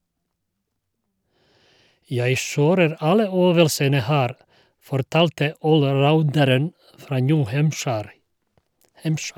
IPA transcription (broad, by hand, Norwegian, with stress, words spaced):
ˈjæɪ ˈʃøːɾəɾ ˈɑlə ˈøːʋəlsənə ˈhæːɾ fɔɾˈtɑːltə ˌoːlˈɾaʊndəɾən ˈfɾɑː ˈnjʉː ˈhæmʃæɾ